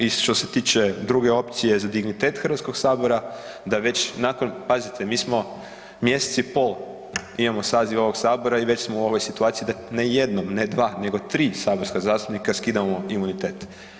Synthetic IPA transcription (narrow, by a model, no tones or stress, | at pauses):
iʃt̪o̞se̞t̪iːt͡ʃe̞d̪ɾuɡe̞o̞pt̪sije̞zad̪iɡnit̪e̞ːt̪xɾr̩ʋat̪ko̞ɡ̥saːbo̞ɾad̪aʋe̞t͡ɕnaːkonpazit̪ʰemiːsmo̞ | mje̞set̪sipo̞lˠ | imamo̞saːziʋo̞ʋo̞ɡsaːbo̞ɾaiʋe̞t͡ɕsmouo̞ʋo̞jsit̪uaːt̪sijid̪aneje̞d̪nomne̞d̪ʋaːne̞ɡo̞t̪ɾiːsaːbo̞ɾskazaːst̪upnikaskiːd̪amoimunit̪e̞ːt̪